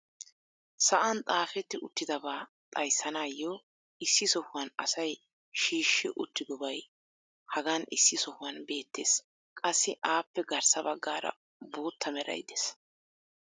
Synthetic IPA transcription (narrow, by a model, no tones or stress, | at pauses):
sɐʔɐnt̪ʼaːfɛt̪ːɪʊt̪ːɪd̪ɐbaː | t̪ʼɐjsːɐnaːjːɔː | ɪsːɪsɔhʊwɐnɐ̰sɐj | ʃiːʃːɪʔʊt̪ːɪd̪ɔbɐj | hɐɡanɪ̰sːɪsɔhʊwɐnbe̞ːt̪ːe̞ːs | kʼɐsːɪʔaːpːɛɡɐɾsɐbɐɡːaːɾɐ̰ | boːt̪ʰːɐmɛɾɐ̰jd̪ɛs